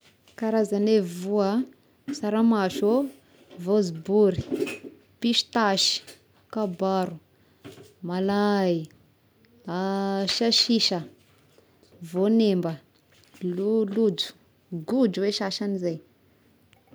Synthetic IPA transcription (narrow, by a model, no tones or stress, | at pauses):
kaɾazanevuə | saɾamaʃo | vozibuɾi̥ | piʃi̥t̪aʃi̥ | akabaɾu | malai | aʃaʃiʃə | vonembə | lulud͡ʒu̥ | ɡud͡ʒuweʃaʃanizaj